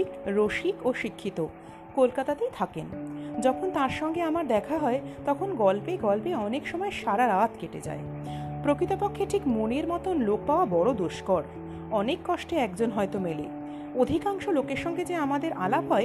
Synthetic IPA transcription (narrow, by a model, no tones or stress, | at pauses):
kɾoʃikoʃikʰːit̪o | kolkat̪at̪ejt̪ʰakend͡ʑɔkʰont̪aɾʃɔŋɡeamaɾd̪ɛkʰaɦɔet̪ɔkʰonɡɔlpeɡɔlpeɔnekʃɔmɔeʃaɾaɾat̪keʈḛd͡ʑa̰e | pɾokɾit̪opokʰːeʈʰikmoneɾmɔt̪onlok̚paoabɔɾod̪oʃkɔɾ | ɔnekːɔʃʈeɛkd͡ʑonɦɔet̪omelḛ | od̪ʱikaŋʃolokeɾʃɔŋɡed͡ʑeamad̪eɾʔa̰labɦɔe